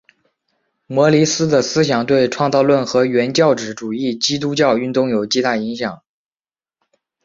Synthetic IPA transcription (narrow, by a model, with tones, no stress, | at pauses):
mwɔ˧˥li˧˥sɹ̩˥d̪ə˨sɹ̩˥ɕ̬jɑ˨˩ŋt̪̬we˥˧ɪʈ͡ʂʰwɑ˥˧ŋt͡sɑ˥˧ʊlwə˥˩nxɤ˧˥ɥɛ˧˥nt͡ɕjɑ˥˩ʊʈ͡ʂɻ̩˨˧˥ʈ͡ʂu˨˩i˥˩t͡ɕi˥t̪̬u˥t͡ɕjɑ˥˧ʊy˥˧nt̪ʊ˥˩ŋjo˨˩ʊt͡ɕi˥t̪a˥˩i˧˥ŋɕjɑ˨˩˦ŋ